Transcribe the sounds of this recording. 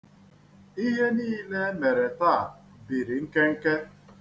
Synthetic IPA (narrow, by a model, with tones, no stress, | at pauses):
i˦ɦe˦niː˦le˦me˨ɾe˨ta˦˨ | bi˨ɾi˨ŋ̩˦ke˦ŋ̩˦ke˦